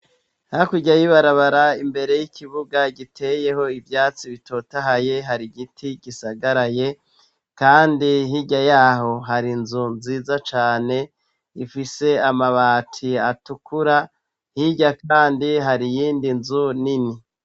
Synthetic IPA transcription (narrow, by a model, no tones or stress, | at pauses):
hakuɟajiβaɾaβaɾaimbe̞ɾe̞jikʰiβuɡaɡitʰe̞je̞ho̞ivjaːt͡siβito̞taɦaje̞ɦaɾiɡitʰiɡ̥isaɡaɾaje̞ | kaːndiɦiɟajaːɦo̞ɦaɾinzunziːzat͡ʃaːne̞ | ifise̞amaβaːtʰiatukuɾa | hiɟakaːndiɦaɾijiːndinzunini